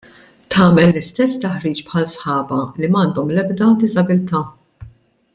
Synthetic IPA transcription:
t̪ʰɐːmɛlːɪst̪ɛsːt̪ɐħɾiːt͡ʃpħɐlsħɐːbɐlimɐːnd̪ɔmlɛbd̪ɐd̪ɪzɐbɪlt̪ɐː

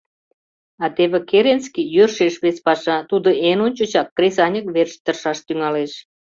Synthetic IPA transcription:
ɑt̪eβekeɾenskijørʃeʃβet͡spɑʃɑt̪ud̪oʔenonʲt͡ɕət͡ɕɑkːresɑnʲə̆kβerʃt̪ərʃɑʃt̪yŋɑleʃ

